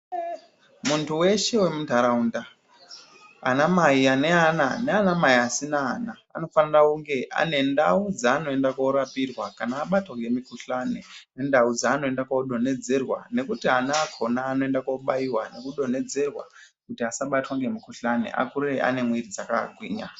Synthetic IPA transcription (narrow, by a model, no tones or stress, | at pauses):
muntuwe̞ʃe̞we̞mudʱaɾaunda | anamaiane̞ananeanamaiasinaːnaa̰no̞fanirauŋɡe̞ʔa̰ne̞ndaud͡zaːno̞e̞ndakoɾapirwakanaːɓatwaŋɡe̞mikuɬanene̞ndaud͡zaːno̞e̞ndakaɗo̞ne̞d͡ze̞rwane̞kutianaːkʰo̞naːno̞e̞ndakwoɓaiwane̞kuɗo̞ne̞d͡ze̞rwa̰ | kutiasaɓatwaŋɡe̞mikuɬanḛʔa̰kureʔa̰ne̞mwiɾid͡zaka̰ɡʱwiːɲa